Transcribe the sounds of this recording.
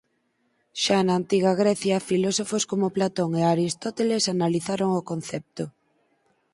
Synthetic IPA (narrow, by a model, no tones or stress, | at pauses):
ʃanaːnt̪iɣaɣ̞ɾɛθjɐfilɔsofoskomoplat̪oŋeaɾist̪ot̪elesanaliθaɾoŋokon̟θɛp̚t̪o